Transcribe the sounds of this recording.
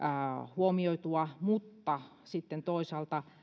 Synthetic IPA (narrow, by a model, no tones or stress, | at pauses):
huomioit̪uɑmut̪ːɑsit̪ːent̪oisɑːlt̪ɑ